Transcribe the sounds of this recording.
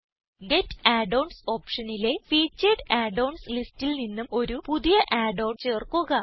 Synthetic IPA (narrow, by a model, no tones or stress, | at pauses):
ɡetːaːɖowɳso̞ːpʂɐnile̞fiːt͡ɕːɐɖaːɖowɳslistːilninːumo̞ɾupuðijɐʔaːɖowɳt͡ɕe̞ːrkuɣɐ